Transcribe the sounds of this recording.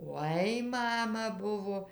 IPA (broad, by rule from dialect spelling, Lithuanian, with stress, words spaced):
ˈoːɪ ˈmɑːmɐ ˈbʊʋoː